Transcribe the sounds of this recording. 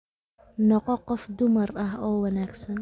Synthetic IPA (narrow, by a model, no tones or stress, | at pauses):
nɔqɔqɔfd̪ʊmɐrɐɦɔːwɐnaːɡsɐn